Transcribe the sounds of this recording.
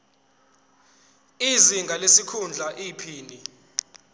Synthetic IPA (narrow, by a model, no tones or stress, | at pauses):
iziŋɡʱalesikʰund͡ɮʱaʔipʰiːni